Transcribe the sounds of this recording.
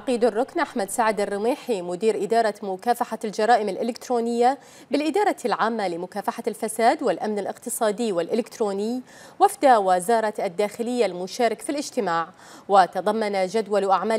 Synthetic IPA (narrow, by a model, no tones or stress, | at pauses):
aqiːd̪arˤːʊknʔaħmad̪saʕɪd̪arˤːɪmiːħimʊd̪iːɾʔɪd̪ɑːɾˤɑmʊkaːfaħald͡ʒɑɾˤɑːʔɪmɪlʔɪlɪkt̪ɾoːnɪjːa | bɪlʔɪd̪ɑːɾˤɑlʕaːmːalɪmʊkaːfaħalfasaːd̪wɪlʔamnɪlʔɪqt̪ɨsˤɑːd̪iwɪlʔɪlɪkt̪ɾoːnɪj | wafd̪awɪzɑːɾˤɑt̪ad̪ːaːxɪlɪjːalmʊʃaːɾɪkfilʔɪd͡ʒt̪ɪmaːʕ | wɪt̪ɑðˤɑmːanad͡ʒad̪walʔaʕmaː